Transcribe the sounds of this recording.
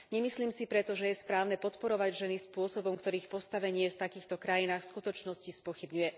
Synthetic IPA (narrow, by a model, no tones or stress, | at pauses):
ɲɛmisliːmsipɾɛt̪ɔʒɛjɛspɾaːʊnɛpɔt̪pɔɾɔʋaɟʒɛnispʊɔsɔbɔmkt̪ɔɾiːxpɔst̪aʋɛɲɪɛft̪akiːxt̪ɔkɾajinaːxfskut̪ɔt͡ʃnɔscispʊɔxibɲujɛ